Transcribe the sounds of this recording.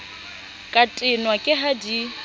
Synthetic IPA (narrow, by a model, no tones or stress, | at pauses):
kʼatʼɪnwakʼɪɦadi